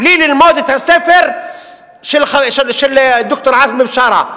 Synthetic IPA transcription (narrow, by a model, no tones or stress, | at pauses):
liːlɪlmoːd̪ɪt̪asæːfɪɾ | ʃɪlxaʃɪʃɪld̪ːʊk̚t̪ʊɾˤʕazmɪbʃɑːɾˤɑ̰